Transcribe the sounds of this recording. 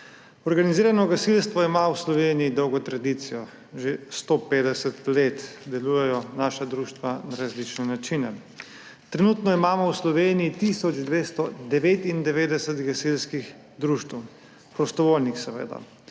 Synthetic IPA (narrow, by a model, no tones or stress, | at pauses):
ɔɾɡaniziːɾanɔɡasilst̪ʋɔimawslɔʋeːnijid̪ɔwɡɔt̪ɾad̪it̪sijɔ | ʒest̪opeːd̪ɛsɛt̪let̪d̪ɛluːjɛjɔnaːʃad̪ɾuʃt̪ʋanaɾazlit͡ʃnɛnat͡ʃinɛ | t̪ɾɛnuːt̪nɔimaːmɔwslɔʋeːnijit̪isɔt͡ʃd̪ʋeːst̪ɔd̪ɛʋeːt̪ind̪ɛʋeːd̪ɛsɛt̪ɡasilskix | d̪ɾuʃt̪w | pɾɔst̪ɔʋoːlnixsɛʋḛːd̪a̰